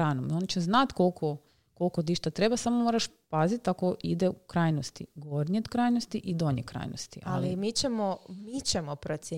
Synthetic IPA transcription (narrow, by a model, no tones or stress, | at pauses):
ɾanomio̞nit͡ʃeznat̪kolˠkʰo | kolˠkod̪iʃt̪at̪ɾe̞basamomoːɾaʃpazit̪akoʔid̪eukɾajnost̪ḭɡo̞ɾɲeod̪kɾajnost̪iʔid̪o̞ɲekɾa̰jno̰st̪ḭʔa̰limit͡ɕemomit͡ɕemopɾot̪sje